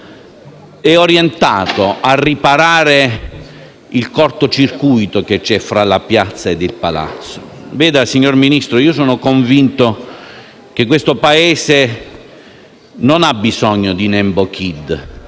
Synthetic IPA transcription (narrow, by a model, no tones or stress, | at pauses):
ɛoɾjent̪aːt̪oʔarːipaɾaːɾe | ilkɔrt̪ot͡ʃirkujt̪oket͡ʃːɛfɾalapjat̪sːaed̪ːɪlpala̰t̪sːovɛːd̪asiɲːorminist̪ɾoiːosɔːnokoɱvint̪o | k̟ek̬ːwest̪opaɛːse | nonabːizɔɲːod̪inɛmbok̟ʰid̪